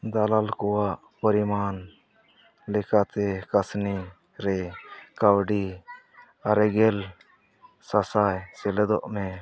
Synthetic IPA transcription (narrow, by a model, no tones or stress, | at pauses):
d̪alalkɔwaʔ | pəɾimaːn | lɛkat̪ɛkasni | ɾɛkawɖi | aɾɛɡɛl | sasajsɛlɛd̪ɔʔmɛ